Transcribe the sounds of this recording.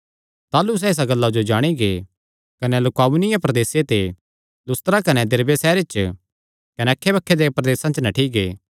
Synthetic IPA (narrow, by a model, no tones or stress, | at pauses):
t̪aːlus̬ɛɪs̬aɡɐlːad͡ʒod͡ʒaːɽ̃iɡḛː | kɐnelʊkaːbʊnɪjãpɾɐd̪eːset̪e | lʊst̪əɾakɐnɛd̪ɪɾbesɛːɾɪt͡ʃ | kɐnɛɐkʰːebɐkʰːed̪epɾɐd̪eːsãt͡ʃnɐʈʰiɡeː